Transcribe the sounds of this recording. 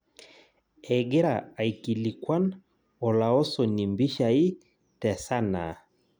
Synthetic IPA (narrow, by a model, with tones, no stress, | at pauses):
ɛ˨ɡe˦ɾa˨a˨i˨ki˨li˨kwa˦n | ɔ˨la˨ɔ˦sɔ˨ni˨mbi˦ʃa˨i˦ | tɛ˨sa˦na̰˨